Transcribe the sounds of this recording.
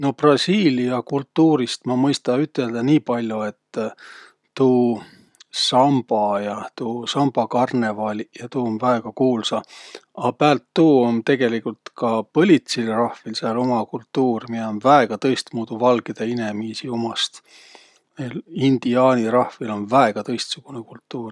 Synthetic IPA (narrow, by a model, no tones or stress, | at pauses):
no̞prɑsiːliɑkult̪ːuːɾist̪mɑmɤjst̪ɑyt̪ːˑe̞ld̪̥ɑniːpɑlʲjue̞t̪ː | uː | sɑmb̥ɑjɑt̪uːsɑmb̥ɑkɑrne̞vɑlʲijɑt̪uːonvæeɡ̥ɑkuːlsɑɑpæːlt̪ːuːont̪e̞ɡ̥e̞likult̪kɑpɤlʲit̪silrɑhvilseɑlomɑkult̪ːuːrmieonvæe̞ɡ̥ɑt̪ɤ̞jst̪muːd̪̥uvɑlɡed̪̥eine̞miːsiumɑst̪ | melind̪̥iɑːniɾɑhvilo̞nvæe̞ɡ̥ɑt̪ɤ̞jst̪suɡ̥unekult̪ːuːr